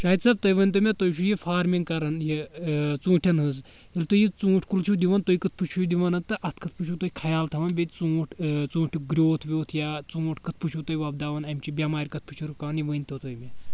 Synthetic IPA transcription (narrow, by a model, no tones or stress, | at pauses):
t͡ʃaːit̪ʲsɐb̚t̪ɐjʋənʲt̪̬omʲet̪ojt͡ʃʰujifaːɾmiŋɡkɐɾɐnjit͡sũːʈʲʰɐnɦɨz | ilt̪ojit͡sũːʈʰʲkult͡ʃʰud̪iʋɐnt̪oikɨt̪̚ʰpɨt͡ʃʰujd̪iʋɐnɐt̪ɨʔɐt̪ʰkʰɨt̪̚ʰpɨt͡ʃʰut̪ojikʰɐjaːlt̪ʰɐʋɐnbʲet̪ʲt͡sũːʈʰʲt͡sũːʈʰʲiɡɾʲoːt̪ʰʋʲoːt̪ʰjaːt͡sũːʈʰʲkɨt̪̚ʰpɨt͡ʃʰut̪ɐjʋab̚d̪aːʋɐnɐmʲt͡ʃibʲamaːɾʲkɐt̪̚ʰpɨt͡ʃʰuɾukaːnjiʋənʲt̪ot̪ojmʲe